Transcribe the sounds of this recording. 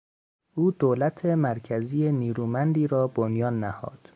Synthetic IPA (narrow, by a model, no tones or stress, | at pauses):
ʔuːd̪oːlæt̪ʰemæɾcʰæzijeniːɾuːmænd̪iːɾɒːbonjɒːnːæhɒ̰ːd̪̥